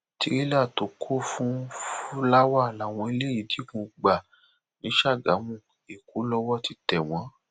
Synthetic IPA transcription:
ti˧˦ɾi˦la˦˨to˨˦kʰo˦fũ˦la˦wa˦˨la˨w̃ɔ̃˧i˧le˦ji˨˦di˨˦kũ˧ɡ͡ba˨ | nĩ˨˦ʃa˦˨ɡa˨˦mũ˦˨ | e˨ku˨˦lɔ˧˦wɔ˦ti˧˦tɛ˨w̃ɔ̃˨˦

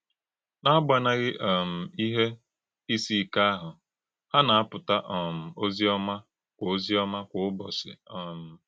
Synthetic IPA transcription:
na˦ɡ͡ba˨na˦ɣɪ˦ʔɔ˨m̩˨i˦ɦe˦ | i˦si˦˨ka˦a˦ɦʊ˨ | ha˦na˨a˦pʊ˨ta˦ʔɔ˨m̩˨o˦zi˦ɔ˦ma˦ | kʷo˦zi˦ɔ˦ma˦kʷʊ˨ʊ˦bɔ˨sɪ̰˨ɔ˨m̩˨

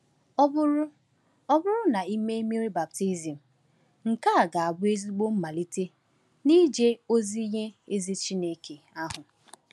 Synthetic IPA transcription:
ɔ˦bʊ˦ʊ˦ | ɔ˦bʊ˦ɾʊ˦na˨i˦me˦mi˦ɾi˦ba˨p̚ti˦zi˨m̩˨ | ŋ̩˨ka˦a˨ɡa˨a˨bʊ˦e˦zi˦ɡ͡bo˦m̩˦ma˨li˦te˦ | ni˦d͡ʒe˦o˦zi˦ɲe˦e˦zi˦t͡ʃi˦ne˨ke˨ | a˦ɦʊ˨

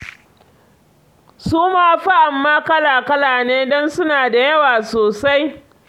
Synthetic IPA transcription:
suː˦maː˦ɸa˦ʔa˨mːaː˦kɐ˦laː˨kɐ˦laː˨neː˦dɔ˦nsʊ˦naː˨da˨jɐ˦waː˨soː˨sa˦j

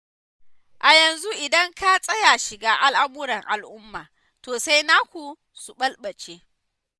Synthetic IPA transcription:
ʔa˨jɐ˨nzu˦ʔɪ˨dɐ˦ŋka˦sʼɐ˦ja˨ʃɪ˨ɡaː˦ʔa˦lʔa˦buː˦ɽɐ˨ŋʔa̰˨lʔʊ˦mːaː˨ | toː˨sa˦jnaː˦kʷu˨ | su˨ɓɐ˦lɓɐ˨t͡ʃeː˦

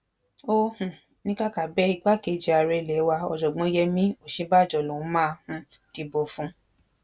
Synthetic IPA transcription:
o˦hũ˨ | nĩ˦ka˦ka˨bɛ˦i˧ɡ͡ba˦ke˨˦d͡ʒi˧a˧ɾɛ˧lɛ˨˦wa˧ɔ̰˧d͡ʒɔ˨ɡ͡bɔ̃˧˦jɛ˧mĩ˦o˨ʃĩ˧˦ba˦˨d͡ʒɔ˨lɔ̃˨˦mãː˦˧hũ˧˦ | ti˧bo˧˨fũ˧˦

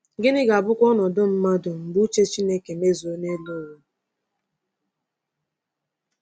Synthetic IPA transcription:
ɡɪ˦nɪ˦ɡa˨bʊ˦kʷɔ˦nɔ˨dʊ˦m̩˦ma˦dʊ˨m̩˨bu˦t͡ʃe˦t͡ʃi˦ne˦ke˨me˦zo˨˦ne˦lo˦˨wʊ˦

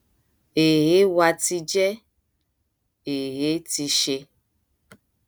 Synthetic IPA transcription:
e˨ɦe˦wa˧ti˧d͡ʒɛ˦ | e˨ɦe˦ti˧ʃe˧

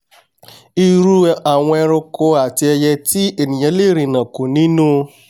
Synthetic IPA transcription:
i˦ɾu˦ʔa˨ŋʷe˦ɾʊ˦kʊ˦a˨tɪ˦e˦je˦ti˦e˨ni˨ɲe˦le˦ɾi˨na˨ku˨ni˦nu˦

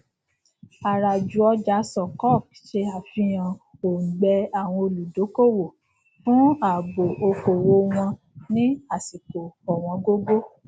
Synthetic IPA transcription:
a˨ɾa˨d͡ʒu˨˦ɔ˧d͡ʒa˨˦sɔ˨kɔ˦˨kʃe˧a˨fĩ˧j̃ã˨o˨ɡ͡bɛ˧a˨w̃ɔ̃˧o˧lu˨do˨˦ko˦˨wo˨ | fũ˦a˨ɡ͡bo˨ʔo˧ko˨wo˧˦w̃ɔ̃˧ | nĩ˦a˦˨si˨ko˨ɔ˨w̃ɔ̃˧ɡo˦ɡo˦

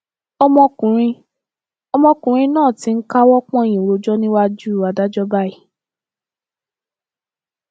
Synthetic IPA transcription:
ɔ˧mɔ̃˧kũ˨ɾ̃ĩ˧ | ɔ˧mɔ̃˧kũ˨ɾ̃ĩ˧nãː˦˨ti˨˧˦n̩˦ka˦wɔ˦k͡pɔ̃˦ẽ˨ĩ˨ɾo˨˧d͡ʒɔ˦nĩ˦wa˦d͡ʒu˦˨a˨da˦d͡ʒɔ˦ba˦i˨

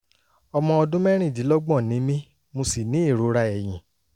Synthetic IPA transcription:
ɔ˧mɔ̃˧ɔ˧dũ˦mɛ˦ɾ̃ĩ˦˨di˨˦lɔ˦ɡ͡bɔ̃˦˨nĩ˨˦mĩ˦ | mo˧si˨nĩ˨˦i˦˨ɾo˨˦ɾa˧ɛ˨j̃ĩ˨

